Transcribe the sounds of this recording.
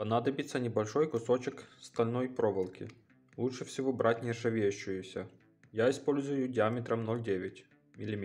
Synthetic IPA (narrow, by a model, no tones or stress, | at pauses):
pɐnad̪ɐbʲɪt̪sːənʲɪbɐlʲʂojkʊsot͡ɕɪkst̪ɐlʲnojpɾovɨlˠkʲɪ̰ | lˠuʂɨfsʲɪvobɾatʲnʲɪʂɐvʲejʊɕːʊjʊsʲə | jaɪspo̞lʲzʊjʊdʲɪamʲɪt̪ɾɐmnolʲdʲevʲɪtʲ | mʲɪlʲɪmʲ